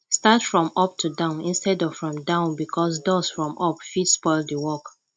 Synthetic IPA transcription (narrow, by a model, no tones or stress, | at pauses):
statfɹɔ̃mɔp̚tʰudãʊ̃nĩnstɛdɔv̥fɹɔ̃mdãʊ̃nbikʰɔsdɔsfɹɔ̃mʔɔpfidspɔɪlˠdəwɔk